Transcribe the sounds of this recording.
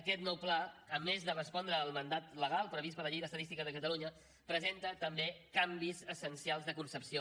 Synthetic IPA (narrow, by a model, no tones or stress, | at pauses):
əkɛt̪nɔwplaəmezðərəspɔnd̪ɾəːlˠmənd̪at̪ləɣ̞alˠpɾəβispələʎejðəst̪əðist̪ikəzðəkət̪əluɲə | pɾəzent̪ət̪əmbekambizəsənsialˠzðəkunsəpsio